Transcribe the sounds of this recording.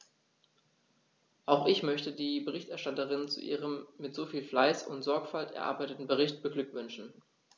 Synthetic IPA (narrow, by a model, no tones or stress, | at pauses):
ʔaʊxɪçmœçtədiːbəʁɪçtɛɐʃtatəʁɪnt͡sṵʔḭːʁəmːɪtz̥oːfiːlflaɪsʊ̰ntz̥ɔɐkfaltɛ̰ɐʔa̰ɐbaɪtətn̩bəʁɪçt̚b̥əɡlʏkv̥ʏnʃn̩